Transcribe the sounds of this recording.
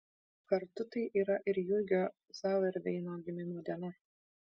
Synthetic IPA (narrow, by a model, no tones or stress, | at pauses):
kɐɾt̪ʊt̪ɐɪʔiːɾɐʔɪɾjʊɡʲoː | sɑːʋʲɐɾʲʋʲɛɪnoːɡʲɪmʲɪmoːd̪ʲɛnɐ